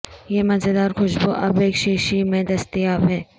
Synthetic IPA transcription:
jemɐzed̪aːɾxʊʃboʔɐbeːkʃeːʃimẽd̪ɐst̪ijaːbɦɛː

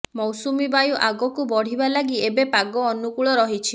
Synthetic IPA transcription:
mɔwsumibajuʔaɡɔkubɔɽ̤ibalaɡiebepaɡɔːnukuɭɔɾɔɦit͡ʃʰi

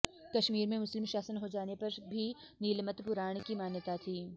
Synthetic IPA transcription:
kɐʃmiːɾmẽmʊslɪmʃaːsənɦod͡ʒaːnepɐɾbʱi | niːlmət̪pʊɾaːɳ̃kimaːnjət̪at̪ʰiː

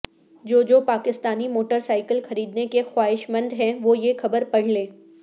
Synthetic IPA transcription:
d͡ʒoːd͡ʒoːpaːkɪst̪aːnimoːʈəɾsaːɪkəlxɐɾiːd̪nekexwaːɦɪʃmɐ̃nd̪ɦɛ̃ʋojexɐbəɾpɐɽ̤lẽː

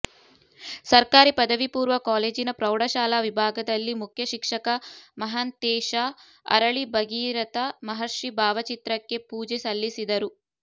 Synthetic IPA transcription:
sɐɾkaːɾipɐd̪ɐʋipuːɾʋɐkaːle̞ːd͡ʒinɐpɾɐwɽɐʃaːlaːʋibʱaːɡɐd̪ɐlːimukʰjɐʃikʂɐkɐmɐɦɐnt̪eːʃaː | ɐ̰ɾɐɭibɐɡiːɾɐt̪ɐmɐɦɐɾʂibʱaːʋɐt͡ʃit̪ɾɐkːe̞puːd͡ʒesɐlːisid̪ɐɾu

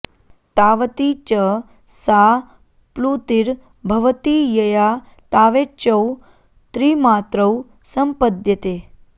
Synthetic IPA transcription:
t̪aːʋt̪it͡ʃə | sa | plut̪iɾ | bʱɐʋət̪ijəja | t̪aːʋet͡ʃəw | t̪ɾimaːt̪ɾəw | səmpəd̪jət̪e

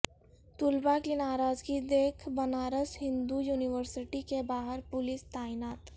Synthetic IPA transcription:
t̪ʊlbakinaːɾaːd͡ʒɡid̪eːkʰbɐnaːɾəsɦɪ̃nd̪ujuːnɪʋəɾsɪʈikebaːɦəɾpʊlɪst̪aːɪnaːt̪

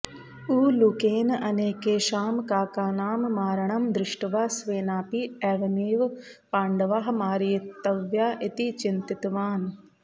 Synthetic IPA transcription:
uːlukeːnɐneːkeːʃaːmkaːkaːnaːmːaːɾɐɳɐmd̪ɾɪʃʈɐʋaːsʋeːnaːpiɛːʋɐneːʋ | paːɳɖɐʋaːɦmaːɾit̪ːɐʋjaːʔɪt̪it͡ʃɪnt̪ɪt̪ʋaːn

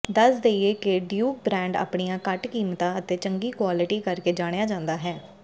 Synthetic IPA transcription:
d̪əsd̪eieːkeɖjuːk̚bɾɛ̃ːɳɖa̰ːpɽijãːkəʈkiːmt̪ãːət̪eːt͡ʃəŋɡiːkwaːlɪʈiːkəɾkeːd͡ʒaːɽ̃ejaːd͡ʒãːnd̪aːɦɛː

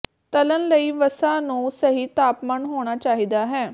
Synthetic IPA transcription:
t̪ələnləiːʋəsaːnũːsəɦiːt̪aːpmaːnɦoːɽ̃aːt͡ʃaːɦiːd̪aːɦɛː

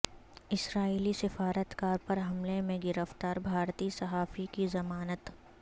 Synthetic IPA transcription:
ɪsɾaːiːlisɪfaːɾət̪kaːɾpɐɾɦɐmlemẽɡɪɾəft̪aːɾbʱaːɾt̪isɐɦaːfikizɐmaːnət̪

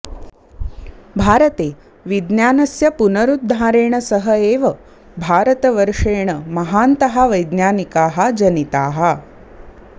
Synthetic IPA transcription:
bʱaːɾət̪eː | ʋid̪njaːnɐsjɐpunɐɾud̪ːʱaːɾeːɳɐsɐɦɐeːʋɐ | bʱaːɾɐt̪ɐʋəɾʂeːɳəmɐɦaːnt̪ɐɦaʋɐjd̪njaːnikaːɦɐd͡ʒɐnit̪aːɦɐ

